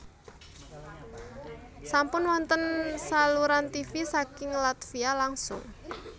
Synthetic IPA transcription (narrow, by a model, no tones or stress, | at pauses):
sampʊnwɔnt̪ənsaluɾant̪ifisakɪŋlat̪fialaŋsʊ̰ŋ